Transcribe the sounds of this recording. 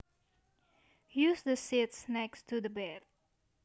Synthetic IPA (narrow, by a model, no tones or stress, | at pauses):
jʉzðəsɪtsnɛkstʰuðəbɛd̥̚